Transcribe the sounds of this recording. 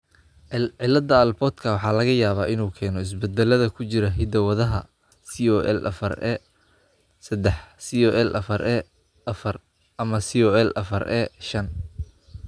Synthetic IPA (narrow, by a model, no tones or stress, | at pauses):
ʕɪlɐd̪ɐɐlbɔt̪kʰɐwɑħɑːlɐɣɐjaːβaːʔɪnuːkʰɛːnɔɪs̬bɛd̪ɛlɐðɐkʰʊt͡ʃɪɾɐɦɪd̪ɐwɐðɐɦɐ | siɔʔɛlʔɐ̰fɐrɛ | sɐd̪ɛħsiɔʔɛlʔɐfɐɾʔɛ | ʔɐfɐr | ɐmɐsiɔɛlʔɐ̰fɐrɛ̰ːʃɐn